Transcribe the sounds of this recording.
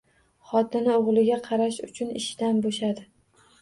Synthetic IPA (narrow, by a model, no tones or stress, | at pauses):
χɒt̪ʰɪnɪoʁlˠɪɡʲaqʰɑɾaʃʊt͡ʃʰʊnɪʃd̪anboʃad̪ɪ